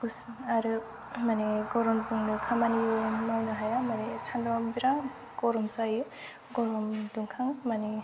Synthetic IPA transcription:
ɡ̥usɯŋaɾɯ | maneɡɔɾɔmdɯŋdɯkʰamanijɯmawnɯɦajamanestʰandɔmbiɾaŋ | ɡ̥ɔɾɔmsajɯ | ɡɔɾɔmduŋkʰaŋmane

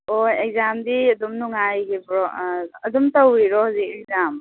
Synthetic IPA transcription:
ojek̚zamdiɐdumnuŋajɡipɾɔɐdumtɐwɾiɾɔhazik̚ek̚zam

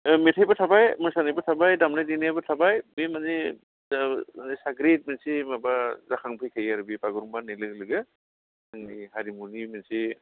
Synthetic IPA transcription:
metʰajbatʰabajmɔsanajbatʰabajdamnajdinabatʰabajbemane | anesaɡɾet̚mensimabazakʰaŋpʰɯjkʰajaɾɯbipaɡɯɾumbanajlɯklɯɡɯ | aŋnihaɾimunimensi

